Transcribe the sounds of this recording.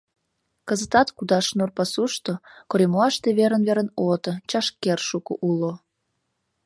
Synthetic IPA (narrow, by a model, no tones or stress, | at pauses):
kəzət̪ɑt̪kud̪ɑʃnurpɑsuʃt̪okoɾemoɑʃt̪eβeɾənβeɾənot̪ət͡ɕɑʃkerʃukṵʔulo